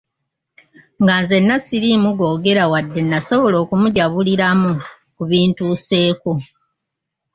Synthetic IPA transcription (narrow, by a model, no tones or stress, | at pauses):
ŋɡanze̞nːasiɾimuɡo̞ːɡe̞ɾawadːe̞nːaso̞βo̞lo̞ːkumuɟaβuliɾamu | kuβiːntuːse̞ːko̞